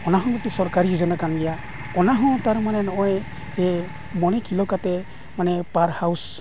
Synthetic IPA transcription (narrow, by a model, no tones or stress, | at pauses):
ɔnaɦɔ̃ɡɔt̪isɔɾkaɾid͡ʒɔnakanɡɛja | ɔnaɦɔ̃t̪aɾmanɛnɔʔɔj | ɛ | bɔñɛkʰilɔkat̪ɛ | manɛpaɾhaws